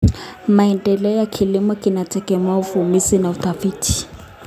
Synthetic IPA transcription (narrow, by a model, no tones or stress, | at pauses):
maɛndɛlɛɔjakʰilimɔkinatɛkɛmwaufumisinauθafiːtʰi̥